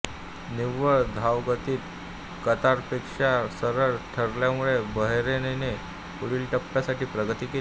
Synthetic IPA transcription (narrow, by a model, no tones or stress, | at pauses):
niʋəɭd̪ʱaʋɡət̪iːt̪̚ | kət̪aɾpekʂasəɾəɭʈʰəɾljamuɭebəɦɾenene | puɽiːlʈəpːjasaʈiːpɾəɡət̪ike